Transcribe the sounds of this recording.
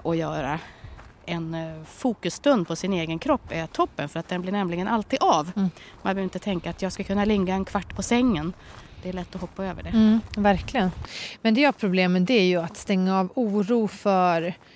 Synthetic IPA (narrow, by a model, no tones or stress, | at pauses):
ʔɔjœːɾa | ɛnfuːkɵsːt̪ɵnd̪̚pʰɔsɪneːɡənkʰɾɔpːɛat̪ʰɔpːənfœɾat̪̚d̪ɛnblɪɳɛmlɪɡənʔalt̪ʰiːd̪avmanbœɾɪnt̪ət̪ʰɛŋkaːt̪jɑːɡskakʰɵnːalɪŋɡaɛnkʰvaʈːpʰɔsɛŋːənd̪̥ɛæɭɛt̪ːɔhɔpːaøːvəɖɛvæɾklɪɡənmɛnd̪ɛjaɾpʰɾʊbleːmənd̪ɛæɾjɵat̪st̪ɛŋːaɑːvuːɾuːfœɾ